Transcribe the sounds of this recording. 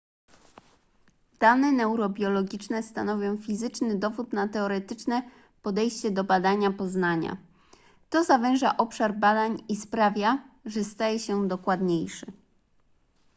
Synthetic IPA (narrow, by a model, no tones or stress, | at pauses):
d̪̥anɛnɛwɾɔbʲjɔlɔɡʲit͡ʂnɛst̪anɔvʲjɔ̃w̃fʲizɘt͡ʂnɘd̪ɔvut̪nat̪ɛɔɾɛt̪ɘt͡ʂnɛ | pɔd̪ɛjɕt͡ɕɛd̪ɔbad̪aɲapɔznaɲa̰ | t̪ɔzavɛ̃w̃ʐaʔɔpʂaɾbad̪aɲispɾavʲjaʐɛst̪ajɛɕɛd̪ɔkwad̪ɲejʂɛ